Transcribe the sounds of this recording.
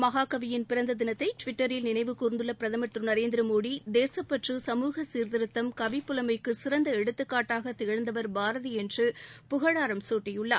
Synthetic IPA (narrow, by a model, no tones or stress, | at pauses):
mɐɣaːkɐʋɪjɪnpɪɾɐnd̪ɐðɪnɐt̪ːɐɪʈʋɪʈːɐɾɪlnɪnɐɪʋɯkuːɾɯnd̪ɯlːɐpɪɾɐðɐmɐt̪rɯnɐɾeːnd̪ɪɾɯmoːɽid̪eːsɐpːɐʈrɯsɐmuːɣɐsiːɾt̪ɪɾɯt̪ːɐmkɐʋɪpːʊlɐmɐɪkːɯsɪɾɐnd̪ɐɛɽɯt̪ːɯkːaːʈːaːɣɐt̪ːɪɣɐɻɐnd̪ɐʋɐɾbaːɾɐðɯɛndrɯpʊɣɐɻaːɾɐmsoːʈːɐjɯɭːɐ̰